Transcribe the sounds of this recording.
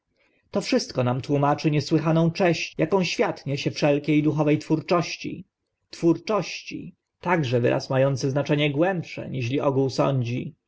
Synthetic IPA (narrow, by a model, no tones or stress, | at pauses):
t̪ɔfʂɘst̪kɔnamt̪wumat͡ʂɘɲɛswɘxanɔ̃w̃t͡ʂɛɕt͡ɕjakɔ̃w̃ɕfʲjat̪ɲeɕɛfʂɛlkʲejd̪uxɔvɛjt̪fuɾt͡ʂɔɕt͡ɕḭ | t̪fuɾt͡ʂɔɕt͡ɕḭ | t̪aɡʐɛvɘ̰ɾʔa̰smajɔnt̪sɘznat͡ʂɛɲɛɡwɛmpʂɛ̰ɲiɕ̬lʲiʔɔɡuwsɔ̰ɲd͡ʑi